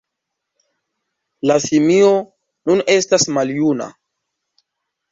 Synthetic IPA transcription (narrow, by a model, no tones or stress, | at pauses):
lasimio | nune̞stasmaljuna̰